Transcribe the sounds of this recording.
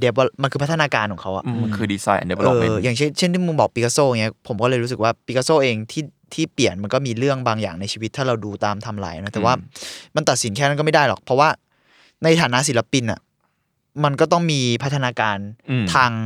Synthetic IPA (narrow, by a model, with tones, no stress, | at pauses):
de˦˥p̚wa˧˩ma˧nkʰɯː˧pʰt̪ʰːa˧naː˧kaː˧nkʰɔː˨˩˦kʰa˦˥wʔa̰˨˩ʔnkʰɯː˧diː˧sa̰ː˧jʔde˦˥ʔːjaː˨˩ŋt͡ɕʰe˥˩nt͡ɕʰe˥˩ni˥˩mɯ˧ŋbɔː˨˩pi˦ka˧soː˥˩˨ŋi˦˥ɐpʰo˩˦mkɔː˥˩lɤː˧jɾuː˦˥sɯ˨˩kwaː˥˩pi˧˦˥ka˧soː˥˩ʔeː˧ŋt̪ʰiː˥˩ | t̪ʰiː˥˩pli˨˩ənma˧nkɔː˥˩miː˧ɾɯ˥˩əŋbaː˧ŋja̰ː˨˩ŋna˧jt͡ɕʰiː˧wi˦t̪ʰːaː˥˩ɾa˧wduː˧t̪aː˧mt̪ʰa˧mla̰ː˨˩jʔnɔ˦˥t̪ɛː˨˩waː˥˩ma˧nt̪a˨˩t̪̚si˩˦nkʰɛː˥˩a˦˥nkɔː˥˩ma˥˩jdaː˥˩jlɔ̰˨˩k̚pʰɾɔ˦˥waː˥˩ | na˧jt̪ʰaː˩˦na˦˥ʔs̬i˩˦la˧˥pi˧nʔa̰˨˩ | ma˧nkɔː˥˩t̪̬ɔ˥˩ŋmiː˧pʰa˦˥t̪ʰːa˧naː˧kaː˧nt̪ʰaː˧ŋ